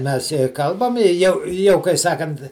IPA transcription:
ˈmʲɛs jɛ ˈkɐlˠbɐm ɪ ˈjɛʊ ˈjɛʊ kɐɪ ˈsɑːkɐnt

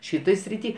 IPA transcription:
ˈʃʲɪtoːj sʲrʲɪˈtʲiː

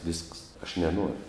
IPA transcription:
ʋʲɪsks ɐʃ nʲɛˈnoːrʲʊ

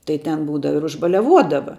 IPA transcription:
tɐɪ tʲɛn ˈbuːdɐʋɐ ɪr ʊʒbɐlʲɛˈʋuɔdɐʋɐ

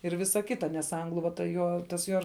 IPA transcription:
ɪr ˈʋʲɪsɐ ˈkʲɪtɐ nʲɛs ˈɐŋɡlˠʊ ʋɐ tɐ ˈjoː tɐs ˈjuɔ

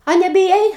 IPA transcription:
ɐ nʲɛbʲɪˈjɛɪ

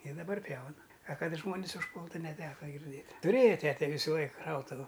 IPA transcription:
ɪ dɐˈbɐr ˈpʲjɛʊnɐ ɐ ˈkɐt ˈʒmoːnʲɪs ʊʃˈpuːlˠtʊ nʲɛˈtʲæːkɐ ɡʲɪrʲˈdʲeːtʲ tʊˈrʲeːjɛ ˈtʲæːtʲɛ ˈʋʲiːsʊ ˈlˠɐɪk ˈʃɐʊtʊʋʊ

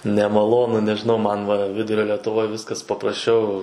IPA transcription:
nʲɛmɐˈlˠoːnʊ nʲɛʒʲɪˈnɐʊ ˈmɐn ʋɐ ˈʋʲɪdʊrʲoː lʲɛtʊˈʋoːj ˈʋʲɪskɐs pɐprɐsʲˈt͡ʃʲɛʊ

